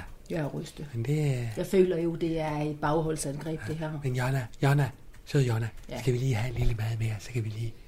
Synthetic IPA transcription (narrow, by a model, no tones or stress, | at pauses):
jæʁysd̥əmend̥e̝æjɑ̈ɪfø̰ːlɐjo̝d̥e̝æɐe̝d̥̚b̥ɑ̈ʊɦɔ̽l̰sænɡ̥ʁɛ̰ːbd̥e̝ɦæɐ̰menjɒnæjɒnæ | søð̰ˠjonæsɡ̥æʋiliːhæenliləmæːð̞̩ˠmeːɐsɒkʰæʋiliː